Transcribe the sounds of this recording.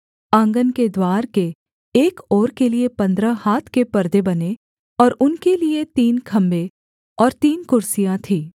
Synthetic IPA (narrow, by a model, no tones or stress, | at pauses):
ãːŋɡənked̪waːɾkeː | kɔːɾkeliepɐ̃nd̪ɾahaːt̪ʰkepɐɾd̪ebɐne | ɔːɾʊnkeliet̪iːnkʰɐ̃mbe | ɔːɾt̪iːnkʊɾsijãt̪ʰiː